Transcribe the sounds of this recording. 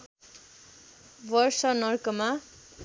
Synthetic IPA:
bʌrsʌnʌrkʌma

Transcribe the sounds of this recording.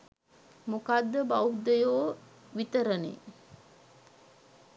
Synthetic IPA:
mukad̪ːəbauɦd̪əjoː | ʋit̪əɾənḛ

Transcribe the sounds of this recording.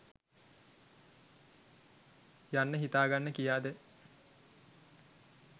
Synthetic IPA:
janːəɦit̪aːɡanːəkijaːd̪ə

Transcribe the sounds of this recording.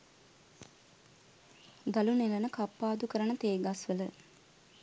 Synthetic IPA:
d̪alunelənəkapːaːd̪ukəɾənət̪eːɡasʋələ

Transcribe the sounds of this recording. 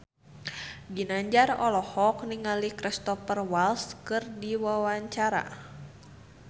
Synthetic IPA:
ɡinaɲd͡ʒarɔlɔhɔk̚niŋalikɾɛst̪ɔpərwalskɨrdiwawaɲt͡ʃaɾa̰

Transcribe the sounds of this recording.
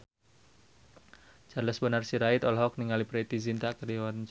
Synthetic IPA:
t͡ʃarləsbənarsiɾait̪ɔlɦɔk̚niŋalipɾet̪izint̪akərdewant͡ʃ

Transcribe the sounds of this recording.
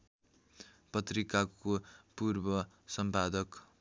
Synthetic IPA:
pʌt̪rikakopurbʌ | sʌmpad̪ʌk

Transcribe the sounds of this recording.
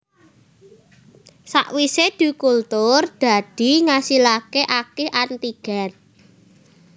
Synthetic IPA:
sa̰ʔwised̪̥ṳkult̪ʊrd̪̥a̤d̪̥i̤ŋasilakeʔakeʔant̪iɡ̥a̤n

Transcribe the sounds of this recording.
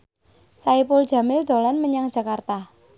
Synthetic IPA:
saipʊl̥d͡ʒ̥a̤mɪld̪̥o̤lɔnməɲaŋ̥d͡ʒ̥a̤kart̪a

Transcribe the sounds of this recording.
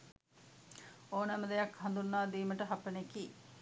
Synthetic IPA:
oːnɐməd̪ejɐkhɐnd̪unːaːd̪iːməʈəɦapənekiː

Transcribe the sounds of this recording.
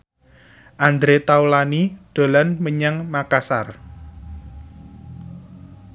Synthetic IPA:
ʔand̪ɾet̪aulanid̪̥o̤lanməɲaŋmakasa̰r

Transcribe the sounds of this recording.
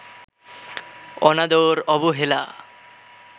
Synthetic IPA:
ɔ̰nad̪oɾɔbuɦela̰

